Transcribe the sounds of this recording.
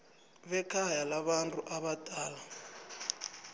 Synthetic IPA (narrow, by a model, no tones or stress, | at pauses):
βɛkʰajalaβantʼuʔaβatʼaːla